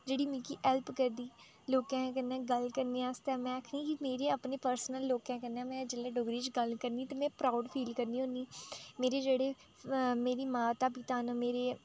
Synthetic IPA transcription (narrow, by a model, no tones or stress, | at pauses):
d͡ʒeːɽiːmĩːkiːʔɛːlpkəɾd̪iː | loːkãːkənɛ̃ːɡəlkəɾniːaːst̪ɛːmɛ̃ːəkʰneĩːkimeːɾeːapneːpəɾsnəlːoːkãːkəɾnɛ̃ːmɛ̃d͡ʒəleːɖoːɡɾiːt͡ʃɡəlkəɾniːt̪eːmɛ̃ːpɾaːʊɖpʰiːlkəɾniːɦõːnd̪iːmeːɾeːd͡ʒeːɽeː | meːɾiːmaːt̪aːpɪt̪aːnəmeːɾeː